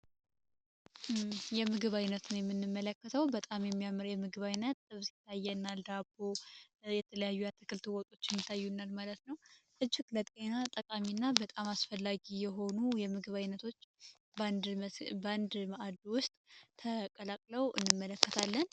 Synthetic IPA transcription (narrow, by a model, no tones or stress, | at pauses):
jɛmɨɡɨβajnət̪nəwjɛmːɨnːɨmːələkːət̪ʰəwbət̪ʼamjɛmːijamːɨɾjɛmɨɡɨβajnːət̪ɨβsi̥t̪ʰːajːɛnːald̪abo | jɛt̪ʰələjajːujat̪ʰːɨkɨlt̪ʰɨwɔt̪ʼo̞t͡ʃːɪnjɪt̪ʰːajːunːalmalət̪nəwʔɨd͡ʒːɪklət̪ʼenat̪ʼəkʼaminːabət̪ʼamasfəlːaɡijɛɦo̞nujɛmɨɡɨβajnət̪ʰo̞t͡ʃː | b̪ | band̪məʔad̪wʊst̪ʼt̪ʰəkʼəlakʼləwʔɨ̰nːɨmːələkːət̪ʰalːən